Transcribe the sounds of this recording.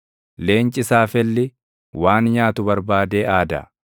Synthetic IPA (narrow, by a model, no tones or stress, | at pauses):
le̞ːnt͡ʃʼɪsaːfɛlːɪ | waːnjaːt̪ʊbɐɾbaːd̪e̞ːʔaːd̪ɐ̰